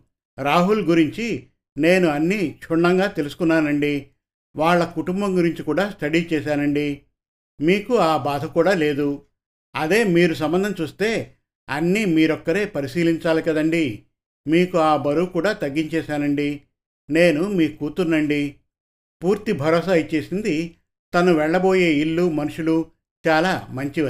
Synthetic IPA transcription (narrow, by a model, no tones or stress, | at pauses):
ɾaːɦulɡuɾiɲt͡ʃi | ne̞ːnuɐnːit͡ʃʰuɳːɐŋɡaːt̪e̞lusu̥kunːaːnɐɳɖi | ʋaːɭːɐkuʈumbɐŋɡuɾiɲt͡ʃikuːɽaːsʈ̪ɐɽit͡ʃɛːʃaːnɐɳɖi | miːkuaːbaːd̪ʱɐkuːɽaːle̞ːd̪u | ɐd̪e̞ːmiːɾus̬ɐmbɐnd̪ʱɐmt͡ʃuːst̪e̞ː | ɐnːimiːɾɔkːɐɾe̞ːpɐɾisiːliɲt͡ʃaːlikɐd̪ɐɳɖi | miːkuaːbɐɾuːkuːɽaːt̪ɐɡːiɲt͡ʃɛːʃaːnɐɳɖi | ne̞ːnumiːkuːt̪unːɐɳɖi | puːɾt̪ibʱɐɾɔːs̬aːjit͡ʃe̞ːsind̪i | t̪ɐnuʋɛɭːɐbo̞ːje̞ːiɭːumɐnuʂulu | t͡ʃaːlaːmɐɲt͡ʃi